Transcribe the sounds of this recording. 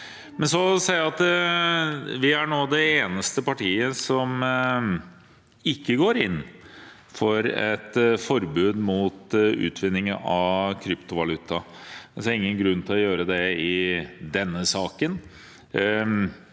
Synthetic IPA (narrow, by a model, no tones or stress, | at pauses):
mɛnsɔsɛɪæɑt̪ | ʋɪæɳoːd̪ɛeːnəst̪əpɑʈʰiːəsɔm | ɪkːəɡoːɾɪnː | fɔɾɛt̪fɔɾbʉːd̪mʊːt̪ʉ̰ːt̪ʰʋɪnːɪŋəɑkʰɾʏpt̪ʊʋɑlʉt̪ʰːɑsæɾɪŋːənɡɾʉnːt̪ʰɪlɔjøːɾəd̪ɛɪd̪ɛnːəsɑːkən